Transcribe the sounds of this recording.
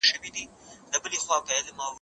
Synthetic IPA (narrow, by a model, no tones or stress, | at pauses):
ʃəwid̪i | labəlexwɑbɑjad̪mɑ